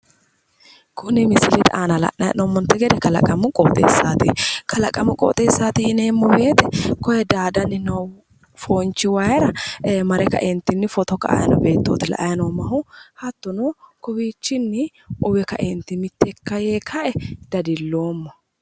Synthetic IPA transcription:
kʊnɪmɪsɪlɛt̪ʔaːnɐlɐ̰ʔːɐjnɔmːɔnt̪ːɛɡɛd̪ɛkɐlɐ̰kʼːɐmʊkʼo̰ːt̪ʼḛːsːaːt̪ɪkʰɐlɐkʼːɐmʊkʼo̰ːt̪ʼeːsːaːt̪ɪɪne̞ːmːɔbe̞ːt̪ɛkɔjɛd̪aːd̪ɐnːɪnɐw | foːnt͡ʃːɪwajɛɾɐmɐɾɛkɐ̰ʔɛnt̪ːɪnːɪfɔt̪ɔkɐ̰ɐ̰jɐnɔ̰be̞ːt̪ːoːt̪ɪlɐ̰ʔɐjɐnomɐɦʊhɐt̪ːʊnokɔbiːt͡ʃːɪnːɪ | ʔʊbɛkɐ̰ʔɛnt̪ːɪmɪt̪ːɛkːɐjeːkʰɐʔɛd̪̥ɐd̪ɪlːo̞ːmːɔ

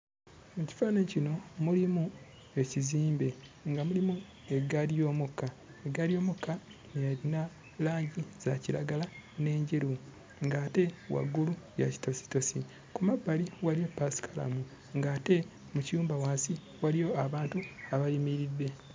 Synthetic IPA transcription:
muci̥fanecino̞mulimu | e̞ciziːmbe̞ŋɡamulimu | e̞ɡaɾijo̞ːmukːa | e̞ɡaɾijo̞ːmukːanjaɾina | laːɲɟiz̥aciɾa̰ɡalane̞ːɲɟeɾu | ŋɡaːte̞wa̰ɡːuluja̰ci̥to̞si̥to̞si | kumabːaliwalijo̞pːasi̥kʰala̰mu | ŋɡaːte̞ | mucijuːmbawaːsi | walijo̞aβaːntuaβalimiɾidːe̞

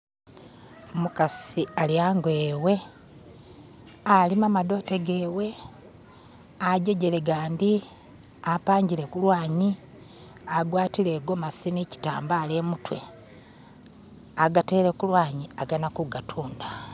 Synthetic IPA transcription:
mukasialiaːŋɡweːwe̞ | alimamado̞ːteɡewe̞ | aɟe̞ɟe̞le̞ɡaːndi | apaːɲɟilekulwaːɲi | aɡwaːtile̞ɡo̞masinici̥ta̰ːmbaːlemutwe̞ | aɡate̞ːɾekulwaːɲiaɡanakuɡatʰuːnda

